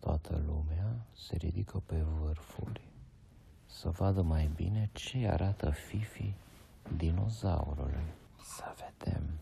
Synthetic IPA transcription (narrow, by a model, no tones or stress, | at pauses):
t̪oat̪ʰə̰lumease̞̰ɾḭd̪ikʰəpe̞vɨrfurʲ | səvad̪əmajbḭne̞t͡ʃe̞a̰ɾʔat̪əfifi | d̪ino̞̰zauɾṵl | səved̪e̞̰m